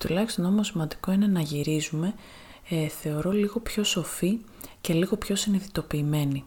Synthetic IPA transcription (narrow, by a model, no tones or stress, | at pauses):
t̪ulɐçist̪o̞no̞mosimɐnd̪iko̞ine̞nɐʝiɾizume̞ | θe̞o̞ɾo̞liɣo̞pço̞so̞fi | ce̞liɣo̞pço̞siniðit̪o̞piːme̞ni